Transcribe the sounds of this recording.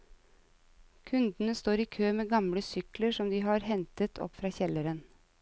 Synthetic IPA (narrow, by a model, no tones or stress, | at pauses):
kʰʉnd̪n̩əst̪oːɾiːkʰøːmeːɡɑmɽəsʏkləʂɔmd̪iːɦɑːɾhɛnt̪ət̪ʰɔ̰pfɾɑːçɛləɾən